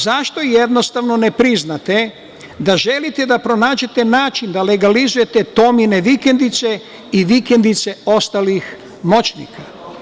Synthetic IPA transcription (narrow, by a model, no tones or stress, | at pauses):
zaʃt̪o̞jed̪no̞st̪aʋno̞nepɾiznat̪e | d̪aʒe̞lit̪e̞d̪apɾo̞naːd͡ʒe̞t̪e̞naːt͡ʃind̪ale̞ɡalizuje̞t̪et̪o̞mineʋike̞nd̪it̪se | iʋikend̪it̪se̞o̞st̪alix | mo̞t͡ʃnḭkʰa